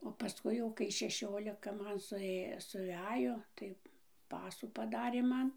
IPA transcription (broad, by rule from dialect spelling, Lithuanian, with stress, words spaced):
oː pɐˈskʊɪ jɛʊ kɐɪ ʃʲɛˈʃʲoːlʲɪkɐ ˈmɐn sʊˈeː sʊˈʋʲæːjoː tɐɪ ˈpɑːsuː pɐˈdɑːrʲeː ˈmɐn